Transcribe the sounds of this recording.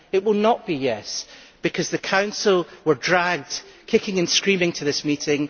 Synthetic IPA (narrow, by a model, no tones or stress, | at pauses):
ɪʔwɪlˠnəʔb̥ijɛsb̥ɪkʰʌzðɨkʰãʊ̃nsl̩ˠwə˞dɹaɡ̚d̥kʰɪkɪ̃ŋɨ̃nskɹĩmɪ̃ŋtʰəðɪsmiʔɪ̃ŋ